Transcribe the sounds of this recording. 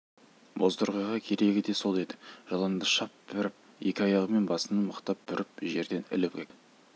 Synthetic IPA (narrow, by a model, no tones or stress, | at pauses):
bozt̪əɾʁɑjʁɑkʲʰe̞ɾe̞ɡʲɪd̪e̞so̞lˠe̞d̪ɪ̥ʒ̥ɑlˠɑnd̪əʃɑp̚b̥ɪɾɪp̚ | je̞kʲɪɑjɑʁəme̞nbɑsənəməqt̪ɑp̚bʏɾʔɪp̚ʒe̞ɾd̪e̞nɪ̰lɪpkʲʰekɪ